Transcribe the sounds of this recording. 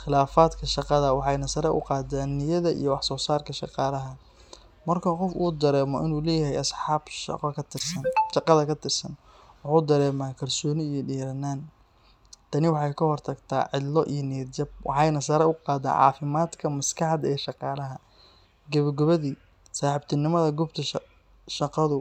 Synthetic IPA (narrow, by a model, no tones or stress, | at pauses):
χɪlaːfaːd̪kʰɐʃɑqɑðɐwɑħɑjnɐsɐɾɐʔʊ̰qɑːd̪aːnːɪjɐðɐʔḭjɔwɑħsɔːsaːrkʰɐʃɑqɑːlɐɦɐ | mɐrkʰɐqɔfṵːd̪ɐɾɛːmɔʔɪ̰nuːlɛːjɐɦɛjɐsħɑːbʃɑ̰qɐkɐt̪ɪrsɐnʃɑqɑðɐkʰɐt̪ʰɪrsɐn | wɑħuːd̪ɐɾɛːmaːkʰɐlsɔːnɪijɔɖiːɾɐnaːn | t̪ʰɐnɪwɑħɑjkʰɐhɔrt̪ʰɐɡt̪ʰa̰ːʕɪdlːɔʔijɞniːɾd͡ʒɐb̚wʔɑ̰ħɑjnɐsɐːɾɐʊqɑːd̪a̰ːnʕɑ̰ːfɪmaːd̪kʰɐmɐskʰɑħd̪ɛːʃɑqɑːlɐɦɐ | ɡɐβɐɡɐβɐðiː | saːħɪbt̪ʰɪnɪmɐðɐɡʊbt̪ʰɐ | ʃɑqɑðʊ